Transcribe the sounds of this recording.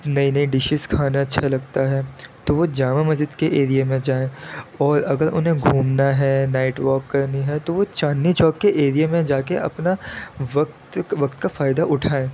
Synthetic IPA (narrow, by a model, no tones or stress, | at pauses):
nɐinɐiɖɪʃɪskʰaːnaɐtːʃʰalɐɡt̪aɦɛːt̪oʋod͡ʒaːmamɐzɪd̪keʔeːɾijemẽd͡ʒaːẽːɔːɾɐɡəɾʔʊ̰nɦẽɡʱuːmnaɦɛːnaːɪʈʋɔːkːɐɾniɦɛt̪oʋot͡ʃaːnːit͡ʃɔːkːeʔeːɾijemẽd͡ʒaːkeʔɐ̰pnaʋɐkt̪ʋɐkt̪kafaːɪd̪aʔʊʈʰaːẽː